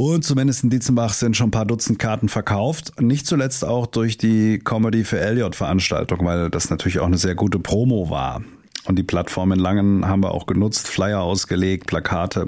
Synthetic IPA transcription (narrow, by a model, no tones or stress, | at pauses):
ʔʊnt̚t͡sumɪndəstɪndiːt͡sn̩baχz̥ɪntʃoːnpʰaːɐdʊt͡sn̩tkʰaɐtn̩fɛɐkʰaʊftnɪçt̚t͡sulɛt͡sta̰ʊxd̥ʊɐçd̥iːkʰɔmədifyːɐʔɛljɔtfɛɐʔanʃta̰ltʊŋvaɪldasnatʰyːɐlɪça̰ʊxnəzeːɐɡuːtəpʁ̥oːmova̰ːɐ | ʔʊntd̥iːpl̥atfɔɐmɪnlaŋənhaːbm̩viːɐʔa̰ʊxɡ̥ənʊt͡stflaɪɐʔaʊsɡ̥əleːk̚t̚pʰl̥akʰaːtʰə